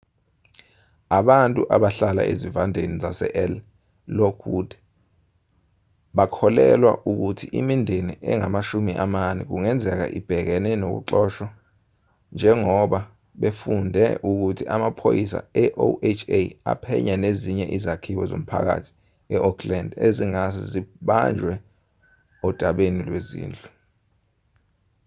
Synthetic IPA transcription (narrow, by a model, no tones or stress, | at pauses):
aɓantʼuʔaɓaɬala̰ʔezivandʱenizasɛ̰ʔɛl | lokʰud̥ʱɛ | ɓakʰɔlɛlwa̰ʔuk̬utʰiʔimindʱeniʔɛŋamaʃumiʔamanɛk̬uŋɛnd͡zʱɛk̬a̰ʔib̥ʱɛk̬ɛnɛnok̬ṵǁɔʃwa | nd͡ʒʱɛŋɔɓa | ɓefundʱɛ̰ʔuk̬utʰiʔamapʰojis̬a̰ɛʔoʔet͡ʃʰea̰pʰɛ̰ɲaneziɲɛʔizakʰiɓɔzo̰m̩pʰa̰k̬a̰tʰi̥ | ɛʔɔkʰlandeziŋazḭziɓand͡ʒʱwɛ | ɔd̥ʱaɓenilwezḭːnd͡ɮʼu